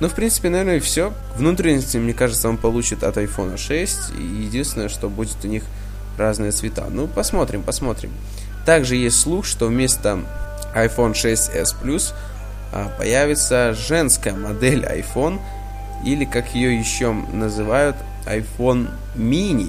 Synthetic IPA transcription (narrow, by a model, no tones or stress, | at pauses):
nofpɾʲint̪ɨ̥pʲɪnɐvʲeɾnəɪfsʲo̞ | vnut̪̬ɾʲɪnʲəsʲtʲɪmnʲekaʐɨt̪səo̞npɐlˠut͡ɕɪt̪ɐt̪ɐjfo̞nəʂɛsʲtʲḭjɪdʲinst̪ʲɪnəjəʂt̪o̞budʲɪt̪ʊnʲix | raznɨjət̪svʲɪt̪a̰nupɐsmo̞t̪ɾʲɪmpɐsmo̞t̪ɾʲɪ̰m | t̪aɡʐɨjesʲtʲslˠuxʂt̪o̞vmʲe̞st̪ə | ɐjfo̞nʂɛsʲtʲɛ̰splʲus | pɐ̰jævʲɪt̪səʐɛnskəjəmɐd̪ɛlʲɐ̰jfo̞n | ilʲɪkakjɪjojɪɕːo̞nəzɨvajʊt̪ | ɐ̰jfo̞n | mʲinʲɪ